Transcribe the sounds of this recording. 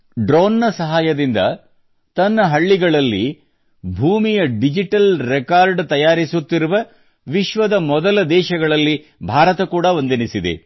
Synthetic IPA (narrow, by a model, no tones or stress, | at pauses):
ɖɾoːnːɐsɐɦaːjɐd̪ind̪ɐ̰ | t̪ɐnːɐɦɐɭːiɡɐɭɐlːi | bʱuːmijɐɖid͡ʒiʈɐlɾɛkaːɾɖt̪ɐjaːɾisut̪ːiɾuʋɐ | ʋiʃʋɐd̪ɐmɔd̪ɐlɐd̪ɛːʃɐɡɐɭɐlːi | bʱaːɾɐt̪ɐkuːɽɐʋond̪inisid̪ḛ